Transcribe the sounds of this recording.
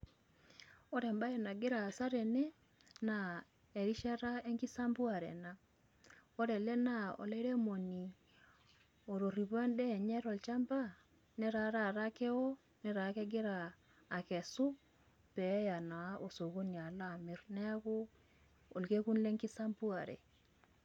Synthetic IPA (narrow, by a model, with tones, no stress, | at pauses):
o˦ɾɛ˨mba˦je˨na˨ɡɪ˦ɾaː˨sa˦ɾe˨ne˦ | na˨ | e˨ɾi˦ʃa˦ɾa˦e˦ŋki˦sa˦mbu˦a˨ɾɛ̰˨na˦ | o˦ɾɛ˨lɛ˦na˦o̰˨le˦ɾe˦mo˨ni˨ | o˨ɾo˨ri˨βwa˦ndɛ˦˨ɲɛ˦ɾɔ˨lt͡ʃa˦mba˦ | nɛ˦ɾa˨˦ɾa˦˨ɾa˦kɛ˦wo˦ | nɛ˦ɾa˨˦kɛ˦ɡɪ˦ɾaː˨ | kɛ˨su˦ | pɛ˨˦ja˨na˨a˦ʔo˨so˨ko˦ni˨a˨la˦˨mɪ˦ɾnɛ˦ko˦ | o˨lke˦ku˦nle˦ŋki˦sa˦mbu˦a˨ɾḛ˨